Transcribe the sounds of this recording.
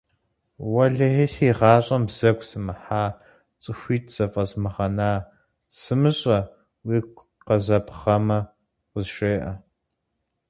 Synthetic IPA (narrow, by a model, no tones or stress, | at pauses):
wɐɮɐɦeɬiːʁɑːɕʼɐmbz̥ɐɡʷʰʼsɨmɨħaː | t͡sʼɨxʷiːtʰz̥ɐfʼɐzmɨʁɐnaː | sɨmɨɕʼɐ | wiːkʷ | qɐzɐpʰχɐmɐ | qʷəzʃeːʔɐ